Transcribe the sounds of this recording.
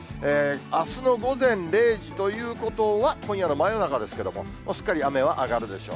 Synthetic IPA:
eːasɨno̞ɡo̞zẽ̞nɾe̞ːʑit̪o̞jɯ̟ːko̞t̪o̞βakõ̞ɰ̃jano̞maenonakad̪e̞sɨ̥ke̞d̪o̞̰mo̞̰ | mʔoɕɨ̥kːaɾʲiame̞β̞aʔaɡaɾɯ̟d̪e̞ɕo̞̰ː

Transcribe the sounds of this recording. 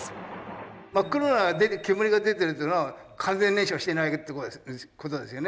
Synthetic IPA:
makɯɾonaɡd̪ekemoɾʲiɡad̪e̞t̪̬eɾɯt̪ːona | kʰãnd͡zẽnːẽɕiaɕi̥t̪e̞naikɯt̪ːokot̪od̪e̞sɨjone

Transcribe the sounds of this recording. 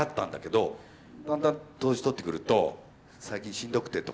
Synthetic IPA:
at̪ːã̰nd̪ake̞d̪o̞ | d̪ãnd̪ãnt̪o̞ːʑi̥t̪o̞t̪ːe̞kɯ̟ɾɯ̟t̪o̞ | saikʲĩɕĩnd̪o̞kɯ̟̥t̪ːet̪o

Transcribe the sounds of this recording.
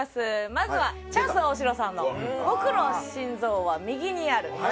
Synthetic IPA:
sɨmazɨβa | t͡ɕãsɨoɕ̬iɾo̞sãnːo̞bo̞kɯ̟no̞ɕĩnzo̞ːβamʲiɡʲiɲ̟iaɾɯ̟

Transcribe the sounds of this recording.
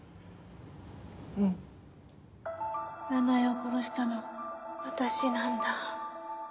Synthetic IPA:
nanajokoɾoɕi̥t̪anoβat̪aɕinãnd̪a

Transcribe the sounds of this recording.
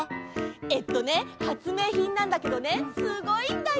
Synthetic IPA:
et̪ːone̞hat͡sɨme̞ːçĩnːãnd̪ake̞d̪o̞ne̞sɨɡo̞it̪a

